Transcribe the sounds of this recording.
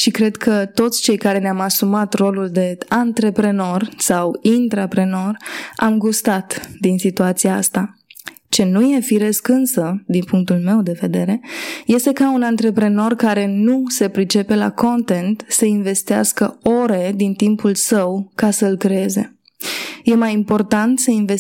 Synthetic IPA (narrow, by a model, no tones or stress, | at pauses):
ʃikɾe̞d̪kʰət̪o̞t̪sʲt͡ʃe̞jkaɾe̞neamasumat̪ro̞luld̪e̞ant̪ɾe̞pɾe̞no̞rsawint̪ɾapɾe̞no̞ramɡust̪at̪d̪insit̪uat̪sijaa̰st̪a | t͡ʃe̞nuje̞fiɾe̞skɨnsəd̪inpuŋk̚t̪ulme̞wd̪e̞ve̞d̪e̞ɾe̞je̞st̪e̞kaunant̪ɾe̞pɾe̞no̞rkaɾe̞nuse̞pɾit͡ʃe̞pe̞la̰ko̞nt̪e̞nt̪səinve̞st̪ia̰skəo̞ɾe̞d̪int̪impulsəwkasəɨlkɾeeze̞̰ | je̞majimpo̞rt̪ant̪səinve